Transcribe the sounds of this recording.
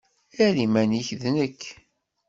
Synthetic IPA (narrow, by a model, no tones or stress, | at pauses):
æɾimæniçðnəkː